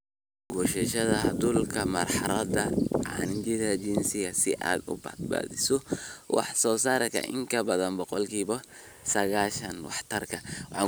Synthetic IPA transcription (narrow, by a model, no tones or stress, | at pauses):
ɡɔʃɛʃɐðɐɐd̪ʊlkʰɐmɐ̰rħɑɾɐd̪ɐʕɑ̰nɪd͡ʒɪðɐt͡ʃɪnsɪɣɐsɪʔa̰ːd̪ʊ̰bɐ̰d̪ba̰ːðɪsɔwɑ̰ħsɔːsaːɾɐkʰɐ̰ʔɪ̰ŋkʰɐbɐðɐnbɔqɔlkʰiːβɐ | sɐɣaːʃɐnwɑħt̪ʰɐrkʰɐwħɑ